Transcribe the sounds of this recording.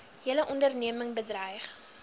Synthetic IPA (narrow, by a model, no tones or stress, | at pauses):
iələʔɔndərniəməŋbədrəjχ